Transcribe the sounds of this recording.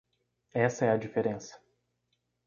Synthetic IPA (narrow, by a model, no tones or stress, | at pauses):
ɛsɐɛɐd͡ʒifeɾẽsɐ̥